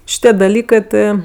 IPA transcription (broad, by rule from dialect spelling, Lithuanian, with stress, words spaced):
ʃʲɪˈtʲiɛ dɐˈlʲiːkɜ ˈtɜ